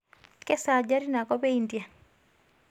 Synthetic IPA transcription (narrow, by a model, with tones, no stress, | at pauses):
kɛ˦sa˨d͡ʒa˦ɾi˦na˨kɔ˦be˦indja˨